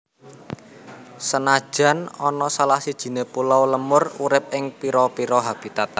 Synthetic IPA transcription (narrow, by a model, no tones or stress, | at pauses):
sənḁʒ̥a̤nɔnɔsalahsid̥ʒ̥i̤nepulɔwləmʊruɾɪp̚ɪŋpiɾɔpiɾɔɦab̥i̤t̪at̪a